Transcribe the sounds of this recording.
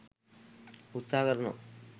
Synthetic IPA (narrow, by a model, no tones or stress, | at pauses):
ut̪sakəɾno̰